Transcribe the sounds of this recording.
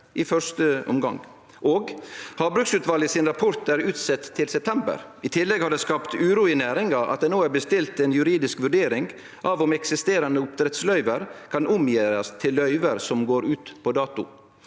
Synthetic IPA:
ʔɪfœɾʂt̪əɔ̰mɡɑŋ | ʔoːɡhɑːbɾʉksʉːt̪ʋɑːlɪsɪnɾɑpʰɔɾt̪æːɾʉːt̪sɛt̪ʰːɪlsɛp̚t̪ʰɛmbə̰ɾɪt̪ʰɪlːɛɡhɑɾd̪ɛːskɑːpt̪ʉːɾuːɪnæːɾɪŋɑʔɑ̰t̪̚d̪ɛnoːæːɾbəst̪ɪlt̪ɛnjʉɾiːd̪ɪskʋʉɖeːɾɪŋ | ʔɑːʋɔmɛksɪst̪eːɾɑnəʊpt̪ʰɾɛt̪slœʏʋəɾkʰɑnʊmjeːɾɑst̪ʰɪlːœʏʋəɾsɔmɡoːɾʉːt̪pʰɔd̪ɑːt̪ʊ̰

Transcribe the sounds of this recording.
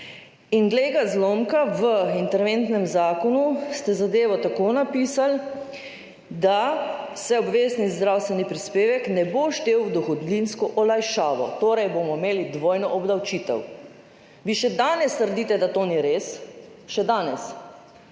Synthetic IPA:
inɡleːɡazlomkaʋəint̪ɛɾʋent̪nɛmzaːkɔnust̪ɛzad̪eːʋɔt̪akonapiːsal | d̪asɛɔbʋeːznizd̪ɾawst̪ʋɛnipɾispeːʋɛknɛboʃt̪eːwwd̪ɔxɔd̪linskɔʔɔlajʃaːʋɔ̰t̪oːɾajbomɔimeːlid̪ʋoːjnɔʔɔbd̪awt͡ʃiːt̪ɛ̰w | ʋiːʃɛd̪aːnɛst̪əɾd̪iːt̪ɛd̪at̪oːniɾeːs | ʃɛd̪aːnɛs

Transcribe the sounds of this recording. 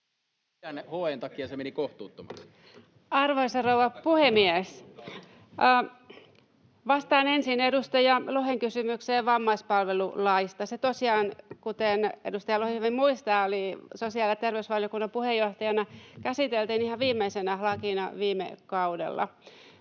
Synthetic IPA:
ænhojent̪ɑkiɑsemenikoht̪uːt̪ːomɑ̰ks | ɑrʋoisɑrouwɑpuhemies | ʋɑst̪ɑːnensinedust̪ɑjɑloheŋkysymykseːʋɑmːɑispɑlʋelulɑist̪ɑset̪osiɑːnkut̪enedust̪ɑjɑlohimimuist̪ɑːolisosiɑljɑt̪erʋeysʋɑljokunːɑmpuhejːoht̪ɑjɑnɑkæsit̪elt̪iːnihɑʋiːmːeisenɑlɑkinɑʋiːmḛkɑudḛlːɑ̰

